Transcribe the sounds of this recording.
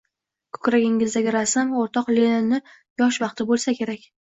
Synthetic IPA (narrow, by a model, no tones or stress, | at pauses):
kʰɵ̥kʲɾaɡʲɪŋɪzd̪aɡʲɪɾasɪmoɾt̪ʰɒqlennɪ | jɒʃvɑqt̪ʰɪbolˠsakʲʰe̞ɾakʲ